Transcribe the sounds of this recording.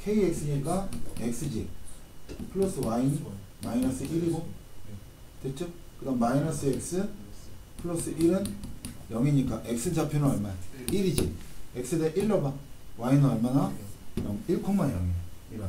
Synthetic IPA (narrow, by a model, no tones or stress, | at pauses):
kʰeiek̚sɯɲik͈aek̚s͈ɯd͡ʑi | pʰɯɭos͈ʰɯwain | mainʌsɯʔiɾiɡo | tet͡ɕʰɯkɯdʌmainʌs͈ɯeks͈ɯ | pʰɯɭos͈ɯʔiɾɯnjʌŋiɲik͈aʔek̚s͈ɯd͡ʑʰapʰjinɯʌɭmaniɾid͡ʑiek̚s͈ɯdeʔiɭːʌbawainʌɭmanajʌŋiɭkʰoŋmːanjʌ̰ŋiiɾɯ